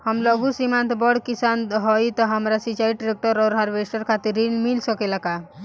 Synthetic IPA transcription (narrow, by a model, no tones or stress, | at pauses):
həmlɔɡusimãnt̪bɔɽkisanɦɔjt̪ɔɦəmɾasit͡ʃaiʈɾek̚ʈəɾɔːɾɦaɾʋesʈəɾkʰat̪iɾːinmilsəkelaka